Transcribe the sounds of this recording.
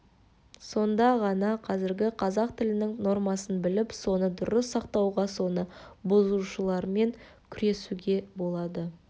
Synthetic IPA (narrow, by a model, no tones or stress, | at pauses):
so̞nd̪ɑʁɑnɑqʰɑzɪɾɡʲɪqʰɑzɑqt̪ʰɪlɪnɪŋno̞rmɑsənbɪlɪpso̞nəd̪ʊɾəsːɑqt̪ɑwʁɑso̞nəbozuʃəlˠɑɾme̞ŋ | kʲʰʏɾe̞suɡʲe̞bo̞lˠɑd̪ə